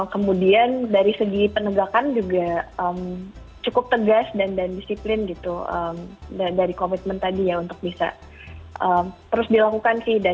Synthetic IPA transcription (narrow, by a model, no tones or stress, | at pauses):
kəmudiandaɾisəɡipənəɡakand͡ʒuɡaəm | t͡ʃukʊp̚t̪əɡasdandandisiplɪnɡit̪uə̰mdadaɾikomit̪̚mənt̪adijaunt̪ʊk̚bisa̰ | ʔəmt̪əɾʊsdilakukansɪhda